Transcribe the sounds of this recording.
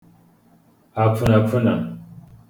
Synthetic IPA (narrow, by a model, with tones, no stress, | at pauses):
a˨pu˨na˨pu˦na̰˨